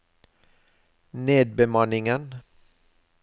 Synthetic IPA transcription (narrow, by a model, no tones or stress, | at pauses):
neːd̪̚bɛmɑnɪŋən